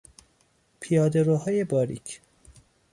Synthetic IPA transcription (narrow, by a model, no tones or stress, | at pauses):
pʰijɒːd̪eɾoːhɒːjebɒːɾḭcʰ